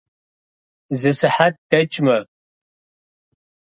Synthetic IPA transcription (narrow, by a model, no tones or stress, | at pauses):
zɨsɨħat̚d̥ɐt͡ʃʼmɐ